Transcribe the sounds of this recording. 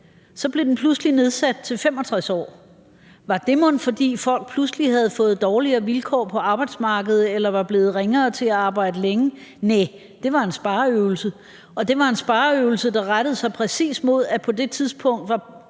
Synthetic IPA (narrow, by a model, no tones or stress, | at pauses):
sɒ̽b̥le̝den̩pʰlusəline̝ð̞ˠsæd̥̚t͡sʰe̝lfem̰ɒ̽t͡sʰʁasɒ̰ː | ʋɑ̈d̥e̝mɔ̽nfɒ̽d̥ḭːfɒ̽l̰ɡ̥̚pʰlusəliɦæð̞̩ˠfɔ̽ːð̞̩ˠd̥ɒːliɐːʋilkʰɒ̰ːpʰɒ̽ɑ̈ːb̥ɑ̈ɪd̥smɑ̈ːɡ̥əð̞̩ˠelɐʋɑ̈b̥le̝ːð̞̩ˠʁeŋɐːt͡sʰe̝læɑ̈ːb̥ɑ̈ɪ̰d̥əleŋəne | d̥e̝ʋɑ̈e̝nsb̥ɑ̈ːøʊl̩sə | ɒ̽d̥e̝ʋɑ̈e̝nsb̥ɑ̈ːøʊl̩səd̥ɑ̈ʁaɾ̥əð̞̩ˠsɑ̈ɪpʰʁɛsḭːsmo̝ð̞̰ˠæpʰɒ̽d̥e̝t͡sʰiðˠsb̥ʰɔ̽ŋ̰d̥ʋɑ̈